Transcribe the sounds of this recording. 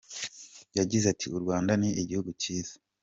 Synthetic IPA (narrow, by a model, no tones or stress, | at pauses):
jaɟizatiuɾɡwaːndaniʔiɟihuɡuciːz̥ḁ